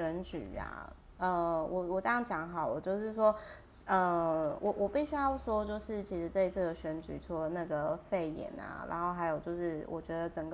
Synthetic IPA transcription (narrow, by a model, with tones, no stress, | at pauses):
ɛ˧˥nt͡ɕy̰˨˩ɐ̰˨˩ | ə˧wɔ˨˩wɔ˨˩ʈ͡ʂɤ˥˧jɑ˥˩ŋt͡ɕjɑ˧˥˦ŋxɑ˨˩˦ʊwɔ˨˩t͡ɕjo˥˧ʊʂɻ̩˥˩ʂwɔ˥ | ə˥˧wɔ˨˩wʔɔ˨˩pi˥˩ɕy˥jɑ˥˩ʊʂwɔ˥t͡ɕjo˥˧ʊʂɻ̩˥˩t͡ɕʰi˧˥ʂɻ̩˧˥t͡sɤ˥˧ɪi˧˥t͡s̩ʰ˥˩d̪ə˩ɕɥɛ˧˥nt͡ɕy̰˨˩ʈ͡ʂʰu˥lə˨na˥˩ɡə˩fe˥˩ɪjɛ̰˨˩nɐ̰˩ɻa̰˧˥nxo˥˩ʊxa˧˥ɪjo˨˩ʊt͡ɕjo˥˧ʊʂɻ̩˥˩wɔ̰˨˩t͡ɕɥɛ˧˥d̪ə˨t͡sə˨˩ŋɡə